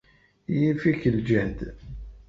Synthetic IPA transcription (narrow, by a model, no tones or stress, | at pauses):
jifikəld͡ʒænd̪